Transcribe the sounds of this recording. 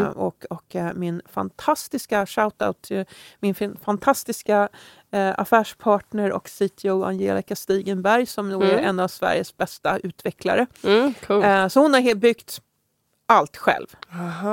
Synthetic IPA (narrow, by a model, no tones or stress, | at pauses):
ɔkɔkmɪnfa̰nt̪ʰast̪ɪskaʂaʊt̪a̰ʊt̪ʰmɪnfnfant̪ʰast̪ɪska | a̰fæːʂpʰɑːʈɳəɾɔ̰ksit̪ʰɪɔa̰njḛːlɪkast̪iːɡənbæɾjsɔmuæɾɛnːavsvæ̰ɾjəsbɛst̪aʉ̟ːt̪vɛkla̰ɾəkʰʉsɔhʊnhaɾhbʏɡt̪ | ʔalt̪ɧɛ̰lv